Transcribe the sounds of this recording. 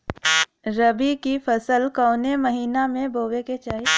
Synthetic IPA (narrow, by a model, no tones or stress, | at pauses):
ɾɐbikifɐsəlkɔːʊnemɐɦiːnamẽbʱoːʋeket͡ʃaːɦi